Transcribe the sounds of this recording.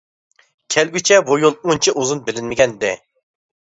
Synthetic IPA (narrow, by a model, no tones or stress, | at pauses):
kʲʰɛlɡʲyt͡ʃʰɛbujolˠunt͡ʃʰɪʔuzunbɪlɪnmɪɡʲɛnd̪ɛ